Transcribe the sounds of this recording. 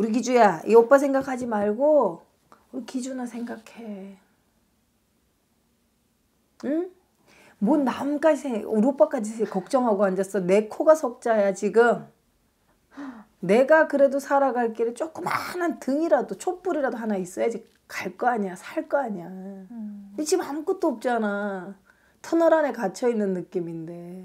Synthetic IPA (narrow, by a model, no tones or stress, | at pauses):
uɾiɡ̬id͡ʑujaiʌp͈as̬ʰe̞ŋɡakʰad͡ʑimaɭɡo | uikid͡ʑunasʰe̞ŋɡakʰe̞ | ɯ | monnːamkaisʰeŋuɾop͈ak͈ad͡ʑiekʌk̚t͡ɕ͈ʌŋɦaɡoand͡ʑas͈ʌne̞kʰoɡasʰʌk̚t͡ɕ͈ajat͡ɕiɡɯm | ne̞ɡakɯɾe̞dosʰaɾaɡaɭk͈eɾɯɭt͡ɕ͈ok͈ɯmanɯntɯŋiɾadot͡ɕʰop͈uɾiɾadoɦanais͈ʌjad͡ʑi | kaɭk͈ʌaɲiasʰaɭk͈ʌaɲia | it͡ɕimank͈ɯt̚t͈oʌp̚t͡ɕ͈ana | tʰʌnʌɾane̞kat͡ɕʰʌinːɯnːɯk͈iminde̞